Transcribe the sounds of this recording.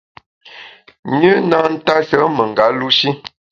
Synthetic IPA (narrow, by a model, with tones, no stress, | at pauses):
ɲʉ˦na˦n̩˦ta˦sə˨˦mə˨ŋ˨ɡa˨˦lu˦ʃi˦